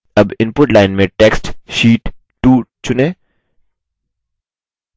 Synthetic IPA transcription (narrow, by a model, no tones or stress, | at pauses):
ɐbɪ̃npʊʈlaːɪnmẽʈɛksʈʃiːʈː | uːt͡ʃʰʊnẽː